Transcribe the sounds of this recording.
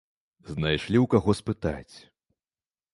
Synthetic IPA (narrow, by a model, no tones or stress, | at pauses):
znajʂlʲiwkaɣɔspɨt̪a̰t͡sʲ